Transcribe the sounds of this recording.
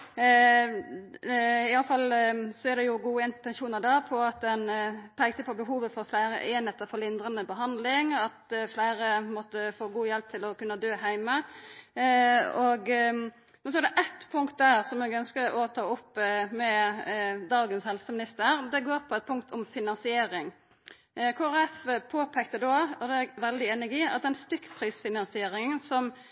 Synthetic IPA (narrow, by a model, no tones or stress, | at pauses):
ɪjɑləfɑlːsɔæd̪ɛjʊɡuːəɪnt̪ɛnʃuːnəɾd̪ɑːpʰɔɑt̪̚d̪ɛnpʰæɪɡ̚t̪əpʰɔbəɦuːʋəfɔɾflæɪɾə̰ʔɛːnɛt̪ːəfɔlɪnd̪ɾɑnəbəɦɑnd̪lɪŋɑt̪flæɪɾəmɔt̪ːəfoːɡuːjɛlp̚t̪ʰɪlɔkʉnːəd̪øːhæɪmə | ɔɡ | mɛns̬ɔæɖɛʔɛt̪pʰʊŋk̚t̪̚d̪æːɾsɔmɛːɡœnskəɔt̪ʰɑːʊpːmɛ | d̪ɑːɡənshɛlsəmɪnɪst̪əɾd̪ɛɡoːɾpʰɔɛt̪̚pʰʊŋkt̪ʰɔmfɪnɑnsɪeːɾɪŋ | kʰoːæɾɛfpʰoːpʰɛk̚t̪əd̪ɔːɔd̪ɛʋɛld̪ɪeːnæɡiːɑt̪̚d̪ɛɛnst̪ʏkːpʰɾiːsfɪnɑnsɪeːɾɪŋsɔm